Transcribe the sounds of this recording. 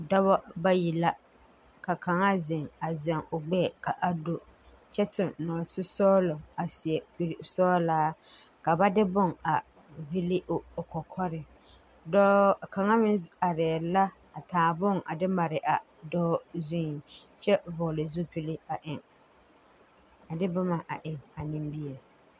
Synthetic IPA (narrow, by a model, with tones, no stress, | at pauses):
dɔ˦βɔ˦ba˦ji˨la˦ | ka˨ka˨ŋa˦zɪ˨ŋa˨zɛ˨ŋʊ˨ɡ͡bɛ˦˨ka˨ʔa˦˨do˦˨ | t͡ʃɛ˦tɪ˨nnɔː˨tɪ˦sɔː˦lɔ˨a˨sɪ˨ɛ˨pi˦˨ɾi˨sɔː˦laː˦ka˨ba˦dɪ˦bʊ˦˨ŋa˨ | vi˦lɪ˦ʔʊ˨kɔ˨kʰɔ˦ɾɪ˨ | dɔː˦˨ka˨ŋa˦mɪ˦na˨ɾɛː˨la˦ | a˨tʰaː˨bʊ˦ŋa̰˨dɪ˦ma˨ɾɪ˨ʔa˨ | dɔː˦zi˦˨t͡ʃɛ˦vʊ˨lɪ˨zu˦pi˦lɪ˦a˨ʔɪ˨ŋ | a˨dɪ˦bʊ˦ma˨ʔa˨ʔɪ˨ŋa˨nɪ̃˨mbi˦ɛ˨